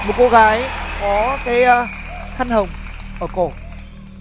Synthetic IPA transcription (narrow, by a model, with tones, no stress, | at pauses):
mo˨˩t̚ko˧ɣaː˨˦jkɔ˨˦kaː˨˦jt̪ʰa˧jŋ̟hə˨˩wŋ͡mʔəː˧˩ko˧˩